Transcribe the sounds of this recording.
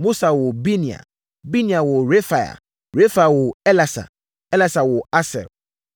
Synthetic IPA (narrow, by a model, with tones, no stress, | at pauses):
mo˦sa˨wɔ˨bi˦nĩ˨a̰˨ | bi˦nĩ˨a˨wɔ˨ɾe˦fa˨ja̰˨ | ɾe˦fa˨ja˨wɔ˨ɛ˦la˨sa̰˨ | ɛ˦la˨sa˨wɔ˨a˦sɛ̰˨ɾ